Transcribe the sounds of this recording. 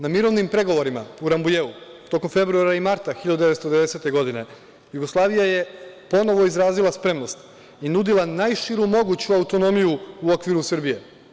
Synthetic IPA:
namiɾo̞ʋnimpɾe̞ɡo̞ʋo̞ɾima̰uɾambujeut̪o̞ko̞mfe̞bɾuaɾaimaɾt̪axiʎad̪ud̪eʋest̪od̪eese̞t̪e̞ɡo̞d̪ine̞ | juɡo̞slˠaːʋijaje̞po̞no̞ʋo̞izɾaːzilˠaspɾe̞mno̞st̪ | inud̪ilˠanajʃiɾumo̞ɡut͡ɕuaut̪o̞no̞mijuːo̞kʋiɾusɨrbije̞

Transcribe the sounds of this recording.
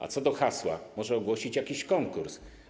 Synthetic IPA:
a̰t̪sɔd̪ɔxaswa̰mɔʐɛɔɡwɔɕit͡ɕjakʲiɕkɔŋkuɾs

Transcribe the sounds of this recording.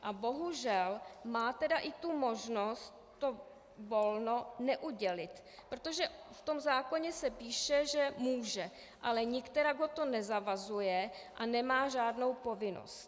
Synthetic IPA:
ʔabo̞ɦuʒɛlmaːt̪ɛdaʔɪt̪umo̞ʒno̞st̪̚ːo̞ | vo̞lno̞nɛʔuɟɛlɪt̪ | pɾot̪o̞ʒɛft̪o̞mzaːko̞ɲɛsɛpiːʃɛʒɛmuːʒɛ | ʔalɛɲɪkt̪ɛɾaɡɦo̞t̪o̞nɛzavazujɛ | ʔanɛmaːʒaːdno̞wpo̞vɪno̰st̪

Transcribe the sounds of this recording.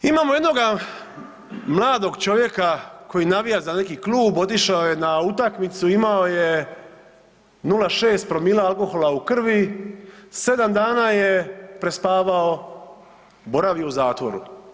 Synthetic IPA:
imaːmo̞je̞d̪no̞ɡa | mlˠaːd̪o̞ɡt͡ʃo̞ʋje̞kako̞jinaʋijazane̞kiklˠuːbo̞t̪̬iʃaoje̞naut̪akmit̪suimaoje | nulaʃe̞ːst̪̚pɾo̞miːlˠaalˠko̞xo̞laukr̩ʋi | se̞d̪amd̪aːnaːjepɾe̞spaːʋao | bo̞ɾaʋjeuzaːt̪ʋo̞ɾṵ

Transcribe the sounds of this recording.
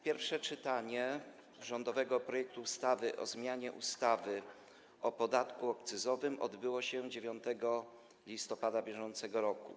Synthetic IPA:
pʲjɛɾfʂɛt͡ʂɘt̪aɲɛ | ʐɔnd̪ɔvɛɡɔpɾɔjɛk̚t̪uːst̪avɘʔɔ̰zmʲjaɲɛʔṵst̪avɘ | ʔɔpɔd̪at̪kuɔkt̪sɘzɔvɘmʔɔ̰d̪bɘwɔɕɛd͡ʑevʲjɔnt̪ɛɡɔ | lʲist̪ɔpad̪abʲjɛʐɔnt̪sɛɡɔɾɔkṵ

